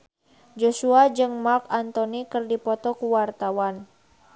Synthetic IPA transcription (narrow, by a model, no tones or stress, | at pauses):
d͡ʒosuad͡ʒɨŋmarkant̪ɔnikɨrdipɔt̪ɔkuwart̪awan